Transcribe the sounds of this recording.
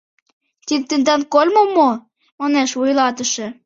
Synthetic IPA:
t̪int̪ɘ̆nd̪ɑnkolʲmomo | mɑneʃvujlɑt̪ə̆ʃĕ

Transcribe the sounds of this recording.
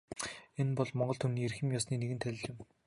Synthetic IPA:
enpɔɮmɔɴɢɞ̆ɮt̪ʰumniːerxɘ̆mjaːsniːneɣɘ̆nt̪ʰæɮ̆ʲɮɪ̆m

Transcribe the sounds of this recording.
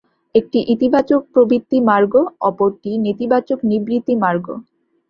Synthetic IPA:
ek̚ʈiʔit̪ibat͡ɕok̚pɾobɾit̪ːimaɾɡoɔpoɾʈinit̪ibat͡ɕoknibɾit̪ːimaɾɡo̰

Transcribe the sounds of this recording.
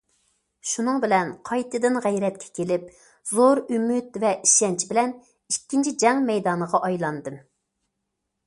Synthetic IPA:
ʃunɨŋbɪlɛnqʰɑjt̪ʰɨd̪ɨnʁæjɾɛt̪̚kʲʰɛ̥kʲʰelɪp | z̥oɾymyt̪vɛiʃɛnt͡ʃʰibɪlɛn | ikʲːint͡ʃʰid͡ʒɛŋmɛjd̪ɑːnəʁɑʔɑjlˠɑnd̪ɨm

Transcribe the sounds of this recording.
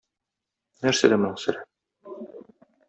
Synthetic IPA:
næɾsæd̪æmŏnɤɴsɘ̆ɾæ

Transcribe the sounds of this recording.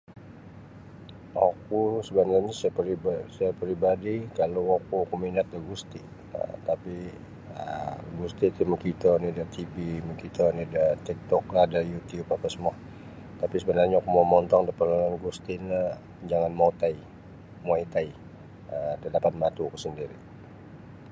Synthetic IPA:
akusəbənarɲasisaapɾibadikalawakukuminat̪̚daɡust̪iʔ | ə̰t̪api | ə̰ɡust̪iʔt̪iməkit̪ənidat̪ibiməkit̪ənidat̪ik̚t̪ɔk̚lahdajut̪ijupapasəmuah | t̪apisəbənarɲaakumamɔnt̪ɔŋdapəlananɡust̪ina | d͡ʒaŋanmot̪ai | mɔit̪ai | ədalapat̪̚mat̪uakusəndiɾi

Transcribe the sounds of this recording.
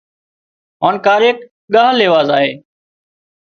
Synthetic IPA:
ɦaːnkaːɾeːk | ɠaːɦleːʋaːzaːɦeː

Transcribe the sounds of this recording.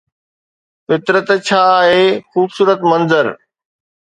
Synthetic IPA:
fɪt̪ɾət̪t͡ɕʰaːɦeːxuːbsuːɾət̪mɐ̃nzəɾ

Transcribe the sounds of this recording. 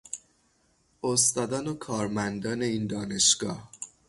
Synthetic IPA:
ost̪ɒːd̪ɒːnokʰɒːɾmænd̪ɒːne̞iːnd̪ɒːne̞ʃɡ̥ɒ̰ːh

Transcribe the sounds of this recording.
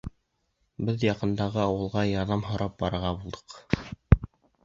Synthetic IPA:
bɘðjɑqɤ̆nd̪ɑʁɤɑwɤ̆lˠʁɑjɑɾðɑmɦŏɾɑp̚bɑɾɤ̆ɾʁɑbulˠd̪ɤ̥q

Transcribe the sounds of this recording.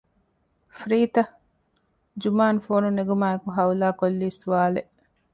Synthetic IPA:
fɾiːt̪ɐ | d͡ʒumaːnfoːnuneɡumaːekuɦɐulaːkolːiːsuʋaːleʔ

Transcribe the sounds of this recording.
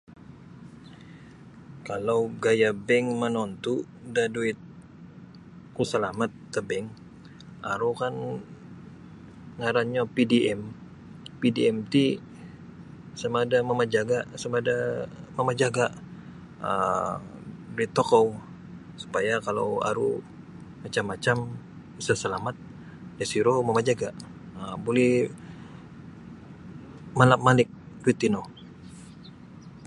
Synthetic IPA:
kalawɡajabɛŋmənɔnt̪u | daduɪt̪̚ | kusəlamat̪ːəbɛŋ | a̰ɾukan | ŋaɾanɲapidiʔɛm | pidiɛmt̪i | səmadaməməd͡ʒaɡasəmadaməmad͡ʒaɡaʔ | ə̰ | dit̪okow | su̥pajakalo̰wa̰ɾṵ | mat͡ʃamːat͡ʃam | isasəlamat̪̚ | dasiɾoməmad͡ʒaɡaəbolɛh | malap̚malɪk̚ː | it̪ino

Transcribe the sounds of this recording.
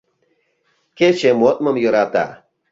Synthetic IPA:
ket͡ʃemot̪̚məmjɯɾat̪a̰

